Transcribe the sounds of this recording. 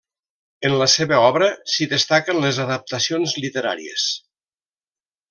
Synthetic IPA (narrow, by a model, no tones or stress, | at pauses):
enləseβəɔβɾəsiðest̪akənlezaðəp̚t̪əsionzlit̪eɾa̰ɾḭḛs